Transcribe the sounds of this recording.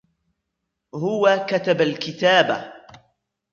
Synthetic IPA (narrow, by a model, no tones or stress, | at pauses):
hʊwakat̪abalkɪt̪aːba̰